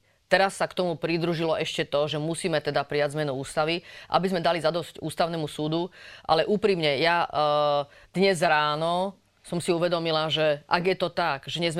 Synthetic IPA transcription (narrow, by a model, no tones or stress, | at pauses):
t̪ɛɾasːakt̪ɔmupɾid̪ɾuʒilɔʔɛʃcɛt̪ɔʒɛmusiːmɛt̪ɛd̪apɾiaɟzmɛnuuːst̪aʋiʔa̰bizmɛd̪alizad̪ɔscuːst̪aʊnɛmusuːd̪uʔa̰lɛʔuːpɾimɲɛja | d̪̥ɲɛzɾaːnɔ | sɔmsiuʋɛd̪ɔmilaʒɛʔa̰ɡjɛt̪ɔt̪aɡʒɛɲɛzm